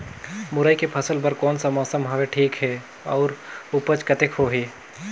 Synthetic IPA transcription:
mʊɾəjkepʰəsəlpəɾkɔːnsɐmɔːsəmɦɐʋeʈʰiːkɦɛ | ɔːɾupət͡ʃkət̪ekɦoɦi

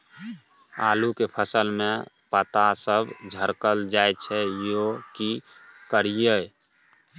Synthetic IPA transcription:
alukepʰəsəlmẽ | pət̪asəbd͡ʒʱəɾkəld͡ʒajt͡ʃʰɛjokikəɾije

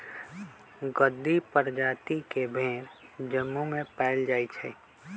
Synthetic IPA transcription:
ɡəd̪ːipəɾd͡ʒaːt̪ikebʱẽːɾd͡ʒəmːumẽpɛːld͡ʒaːit͡ʃʰɛ̰

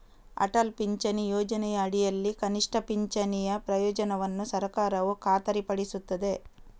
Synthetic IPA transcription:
ɐ̰ʈɐlpiɲt͡ʃɐnijɔːd͡ʒɐnɛjɐːɽijɐlːikɐniʂʈʰɐpiɲt͡ʃɐnijɐpɾɐjɔːd͡ʒɐnɐʋɐnːusɐɾkaːɾɐʋukaːt̪ɐɾipɐɽisut̪ːɐd̪e̞

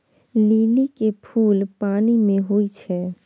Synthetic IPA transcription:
liːlikepʰuːlpaːnimẽɦuit͡ʃʰɛ

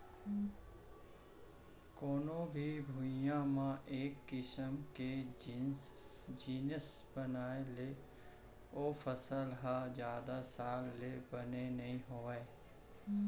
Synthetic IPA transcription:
koːnõbʱibʱujãmãʔeːkːɪsəmke | d͡ʒiːnəsbənaːele | oːfʰəsəlɦazjaːd̪asaːlːebənenɐɦĩɦoːe

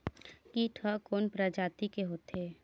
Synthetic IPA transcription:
kiʈʰəkoːnpɾad͡ʒaːt̪ikeɦoːt̪eː

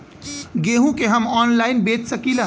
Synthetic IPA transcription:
ɡeɦũkeɦəmɔːnlainbet̪səkila

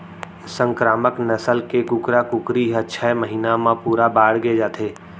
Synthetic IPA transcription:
sə̃ŋkɾaːməknəsəlkekʊkɾakʊkɾiɦətːʃʰaeməɦiːnamãpuːɾabaːɽɡed͡ʒaːt̪ʰeː

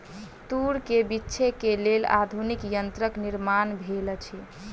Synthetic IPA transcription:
t̪uɾkebitːt͡ʃʰekelela̰d̪ʱunikjənt̪ɾəkniɾmanbʱelt͡ʃʰɛ

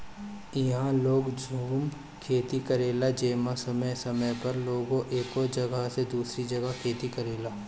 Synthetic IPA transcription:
ɪɦãloːɡd͡ʒʱuːm | kʰeːt̪ikɐɾeːlad͡ʒeːmasɐməjsɐməjpɐɾloːɡõʔeːkod͡ʒɐɡaɦsed̪uːsɾid͡ʒɐɡakʰeːt̪ikɐɾeːlaː

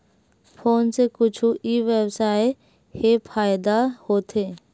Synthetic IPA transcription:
pʰoːnsekʊt͡ʃʰuʔiʋebsaːe | hepʰaːjd̪ahoːt̪eː

